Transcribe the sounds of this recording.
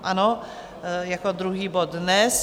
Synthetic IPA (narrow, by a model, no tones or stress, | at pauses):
ʔano | jakod̪ɾuɦiːbot̪̚nɛs